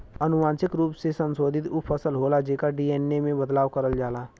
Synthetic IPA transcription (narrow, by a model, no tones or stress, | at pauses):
ənʊmaːnsɪkɾuːpsesə̃nsoːd̪ʱɪt̪ʊpʰəsəlɦoːlad͡ʒeːkaɖiːeːnːemẽbəd̪laːʋkəɾəld͡ʒaːlaː